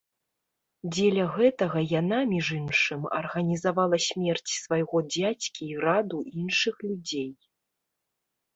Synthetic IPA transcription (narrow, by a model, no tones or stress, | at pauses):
d͡zʲelʲɐɣɛt̪ɐɣɐjanamʲiʐɨmʂɨmɐ̰rɣɐnʲizavalˠɐsʲmʲɛrt͡sʲsvajɣɔd͡zʲat͡sʲkʲiːɾad̪uinʂɨxlʲud͡zʲej